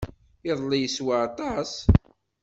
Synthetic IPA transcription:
ɪðˤlːijəswaɑt̪ˤɑs

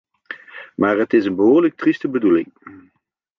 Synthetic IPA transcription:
maːɹɦətɪsənbəɦʊːɹlək̚tristəbədulɪŋ

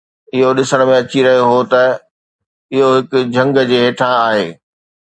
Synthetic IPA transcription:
ɪɦoɗɪsəɽ̃mẽɐt͡ɕiɾɐɦijoɦot̪ɐ | ɪɦoɦɪkʊ̆d͡ʑʱɐ̃ŋɡd͡ʑeːɦeːʈʰãaːɦeː

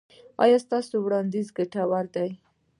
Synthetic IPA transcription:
ɑ̰jɑst̪ɑsowɽɑnd̪izɡaʈawaɾd̪aj

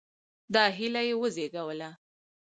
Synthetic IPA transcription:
d̪ɑɦilajewəzeɡawəla

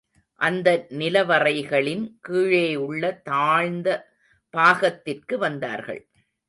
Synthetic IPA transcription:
ʔɐnd̪ɐnɪlɐʋɐrɐɪɣɐɭɪnkiːɻeːjɯɭːɐt̪aːɻnd̪ɐ | b̥aːɣɐt̪ːɪrkɯʋɐnd̪a̰ːɾɣɐ̰ɭ

